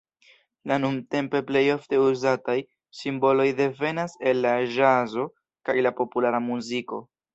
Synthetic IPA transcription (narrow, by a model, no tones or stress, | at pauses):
lanunte̞mpe̞ple̞jo̞fte̞uzataj | simbo̞lo̞jde̞ve̞nase̞lːaʒazo̞ | kajlapo̞pulaɾamuziko̞̰